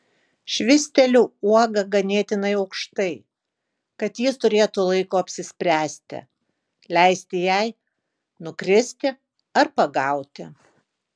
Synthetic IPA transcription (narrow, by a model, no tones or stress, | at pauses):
ʃʲʋʲɪsʲt̪ʲɛlʲuuɔɡɐɡɐnʲeːt̪ʲɪnɐɪɐʊkʃt̪ɐɪ | kɐt̪jɪst̪ʊɾʲeːt̪ulˠɐɪkoːɐpʲsʲɪsʲpʲɾʲæːsʲt̪ʲɪ̰ | lʲɛɪsʲt̪ʲɪjɛɪ | nʊkɾʲɪsʲt̪ʲɪ | ɐɾpɐɡɐˑʊt̪ʲɪ̰